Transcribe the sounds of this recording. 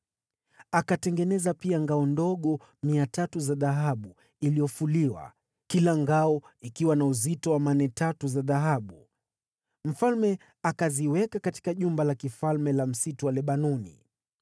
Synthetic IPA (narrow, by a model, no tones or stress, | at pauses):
akatɛŋɡɛnɛzapiaŋɡaɔndɔɠɔ | miatatuzaðaɦaɓu | ilijɔfuliwa̰ | kilaŋɡaɔikiwanauzitɔwamanɛtatuzaðaɦaɓu | m̩falmɛ | akaziwɛkakati̥kaʄumbalakifalmɛlam̩situwalɛɓanɔnḭ